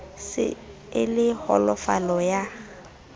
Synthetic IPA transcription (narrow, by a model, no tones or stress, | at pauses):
sɪ̰ | ɪlɪhɔ̰lɔfa̰lɔja